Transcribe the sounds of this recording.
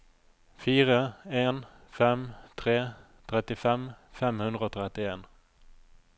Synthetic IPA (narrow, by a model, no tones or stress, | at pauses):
fiːɾaenfɛmt̪ʰɾeː | t̪ʰɾɛt̪ːɪfɛmfɛmhɵnd̪ɾaɔt̪ʰɾɛt̪ːɪeːn